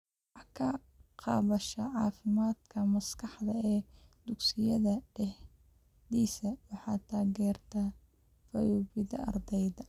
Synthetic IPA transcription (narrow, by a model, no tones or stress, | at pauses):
wwwɑħɑkʰɐ | qɑ̰ːβɐʃɐʕɑːfɪmaːd̪kʰɐmɐskʰɑħd̪ɐɛːd̪̥ʊɡsɪjɐðɐɖɛh | ðiːsɐwɑħɑ̰ːt̪ʰaːɣɛːrt̪ʰɐ | fɐjuːbɪðɐʔɐ̰rd̪ɛjðɐ